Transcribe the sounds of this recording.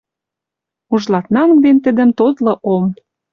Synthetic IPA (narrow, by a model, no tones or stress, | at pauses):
uʒlɑt̪nɑmk̚d̪ent̪ə̆d̪ə̆mt̪ot̪lɤ̆ʔom